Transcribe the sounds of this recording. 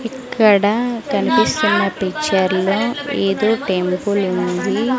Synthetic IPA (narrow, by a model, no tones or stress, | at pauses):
ikːɐɽɐkɐnipist̪unːɐpit͡ʃːɐɾloːeːd̪o̞ːʈempulund̪i